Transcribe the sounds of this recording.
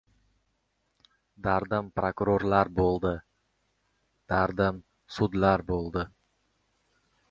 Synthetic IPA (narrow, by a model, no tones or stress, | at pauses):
d̪aɾd̪ɪmpɾokɾoɾlaɾbolˠd̪ɪ | d̪̥aɾd̪ɪm | sʊd̪laɾbolˠd̪ɪ